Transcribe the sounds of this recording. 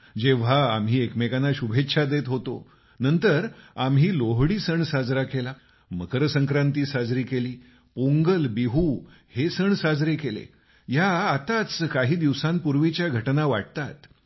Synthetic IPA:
d͡ʑeʋ̤aːmɦiːekmekanaɕubʱetːɕʰad̪et̪ɦot̪o̰ | nənt̪əɾamɦiːloɦɽiːsəɳsad͡zɾakela | məkɾəsəŋkɾãnt̪iːsad͡zɾiːkeliː | poŋɡəlbiɦu | hesəɳsad͡zɾekelḛ | jaːt̪at͡skaɦiːd̪iʋsãmpuɾʋit͡ɕjaɡʱəʈnaʋaʈ̚t̪at̪

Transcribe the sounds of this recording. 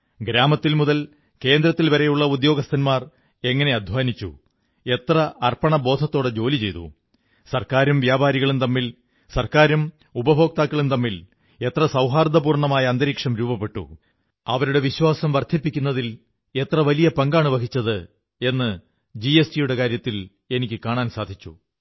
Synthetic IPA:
ɡɾaːmɐt̪ːilmuðɐl | ke̞ːnd̪ɾɐt̪ːilʋɐɾe̞juɭːɐud̪jo̞ːɡɐst̪ʰɐnmaːr | e̞ŋːɐne̞ɐd̪ʱʋaːnit͡ɕːṵ | e̞t̪rɐɐrpɐɳɐbo̞ːd̪ʱɐt̪ːo̞ːɽed͡ʑo̞ːlit͡ɕe̞jt̪ṵ | sɐrkaːɾumʋjaːbaːɾiɣɐɭumt̪ɐmːil | sɐrkaːɾum | ubɐbʱo̞ːk̚t̪aːkːɐɭumt̪ɐmːil | e̞t̪rɐsɐwɦaːrd̪ʱɐpuːrɳɐmaːjɐɐnd̪ɐɾiːkʂɐmɾuːbɐpːe̞ʈːṵ | ɐʋɐɾuɽe̞ʋiɕwaːsɐmʋɐrd̪ʱipːikʲːunːɐðil | e̞t̪rɐʋɐlijɐpɐŋɡaːɳuʋɐkit͡ɕːɐðɨ | e̞nːɨ | d͡ʑiestijuɽe̞kaːɾjɐt̪ːil | e̞nikʲːɨkaːɳaːnsaːd̪ʱit͡ɕːṵ

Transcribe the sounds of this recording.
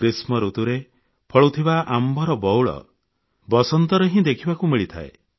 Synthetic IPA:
kɾismɔɾut̪uɾe | pʰɔɭut̪ʰibaʔambʱɔɾɔbɔwɭɔ̰ | bɔsɔnt̪ɔɾeɦĩd̪ekʰibakumiɭit̪ʰa̰e

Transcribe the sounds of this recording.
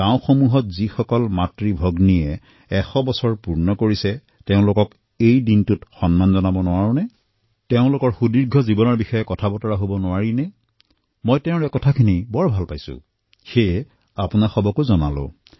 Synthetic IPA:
kaʊ̃xomuɦɔtzixɔkɔlmatɹibʱɔɡnijɛ | ɛxɔbɔsɔɹpuɹnɔkoɹisɛ | tɛʊ̃lʊkɔk | ejdintutxɔnmanzɔnabɔnʊwaɹʊ̃nɛ | teʊ̃lʊkɔɹxudiɹɡʱɔzibɔnɔɹbixɔjɛkɔtʰabɔtɔɹaɦobɔnʊaɹinɛ | mɔjtɛʊ̃ɹɛkɔtʰakʰinijbɔɹbʱalpajsʊ̰̃ | xejɛ | apunaxɔbɔkozɔnalʊ̰̃

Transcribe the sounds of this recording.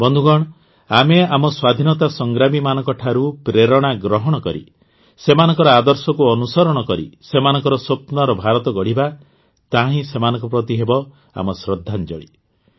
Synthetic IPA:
bɔnd̪ʱuɡɔɽ̃ | ameamɔswad̪ʱinɔt̪asɔŋɡɾamimanɔŋkɔʈʰaɾupɾeɾɔɽ̃aɡɾɔɦɔɽ̃ɔkɔɾḭ | semanɔŋkɔɾɔad̪ɔɾsɔkuɔnusɔɾɔɽ̃ɔkɔɾḭsemanɔŋkɔɾɔsopnɔɾɔbʱaɾɔt̪ɔɡɔɽ̤iba | t̪aɦĩsemanɔŋkɔpɾɔt̪iɦebɔ | a̰mɔsɾɔd̪ʱːand͡ʒɔ̰ɽḭ

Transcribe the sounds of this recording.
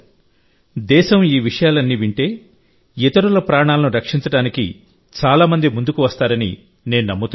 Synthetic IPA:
d̪ɛːʃɐmiːʋiʂɐjaːlɐnːiːʋiɳʈe̞ː | it̪ɐɾulɐpɾaːɳaːlɐnuɾɐkʂint͡ʃɐɽaːnikḭ | t͡ʃaːlaːmɐnd̪imund̪ukuʋɐst̪aːɾɐnḭ | ne̞ːnunɐmːɐt̪u

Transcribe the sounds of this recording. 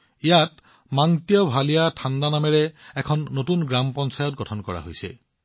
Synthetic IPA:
ijat | maŋtijɔbʱalijatʰandanamɛɹɛɛkʰɔnːotunɡɹampɔnsajɔt̚ɡɔtʰɔnkɔɹa̰ɦo̰jsɛ̰

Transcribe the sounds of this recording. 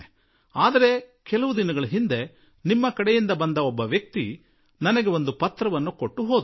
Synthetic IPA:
aːd̪ɐɾe̞kɛlɐʋud̪inɐɡɐɭɐɦind̪e̞ | nimːɐkɐɽɛjind̪ɐbɐnd̪ɐɔbːɐʋjɐk̚t̪i | nɐnɐɡeo̞nd̪upɐt̪ːɾɐʋɐnːuko̞ʈːuɦo̞ːd̪

